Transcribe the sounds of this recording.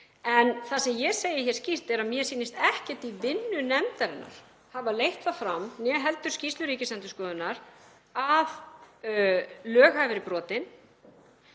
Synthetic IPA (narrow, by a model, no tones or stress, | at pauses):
ɛnθasɛmjɛseːjɪçɛɾ̥scir̥t̪ɛɾamjɛsiːnɪst̪ɛhcɛt̪ivɪnːʏnɛmt̪aɾɪnːa̰ɾ̥ | havalejht̪θafɾamnjɛɦɛlt̪ʏ̥scist̪lʏɾiːcɪslɛnt̪ʏ̥skɔːðʏnaɾ | að | lœːɣhajvɪɾɪpɾɔːt̪ɪn